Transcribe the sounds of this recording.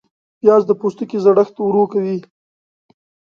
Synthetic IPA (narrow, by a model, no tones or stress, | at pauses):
pjɑːzd̪əpust̪əkizaɽaxt̪uɾokawi